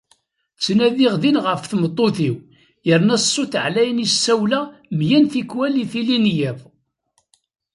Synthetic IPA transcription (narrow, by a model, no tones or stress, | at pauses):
t͡sːnæðiʁðinʁəfθmət̪ˤːoθiw | jəɾnæsˤːoθʕlæjənisːæwlæmjænθikwæliθilinjæð